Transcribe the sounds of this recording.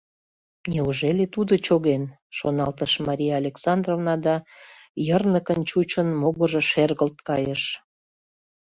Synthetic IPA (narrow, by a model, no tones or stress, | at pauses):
nʲeuʒelet̪ud̪ot͡ɕoɣen | ʃo̰nɑlt̪əʃmɑɾʲijɑːlʲeksɑnd̪rovnɑd̪ɑjərnəkənt͡ɕut͡ɕənmoɣəʒeʃerɣəlt̪̚kɑjəʃ